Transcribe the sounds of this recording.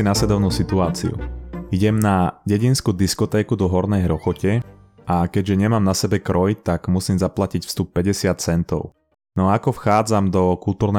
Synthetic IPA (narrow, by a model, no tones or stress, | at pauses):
inaslɛd̪ɔʊnuːsit̪uaːt͡sḭṵiɟɛmnaɟɛɟinskuːd̪iskɔt̪ɛːkud̪ɔɦɔɾnɛjɾɔxɔcɛ | akɛɟʒɛɲɛmaːmnasɛbɛkɾɔjt̪aɡmusiːmzaplacicfst̪up̚pɛɟɛsɪat̪̚t͡sɛnt̪ɔ̰ʊ | nɔaakɔfxaːd͡zamd̪ɔkult̪uːɾnɛ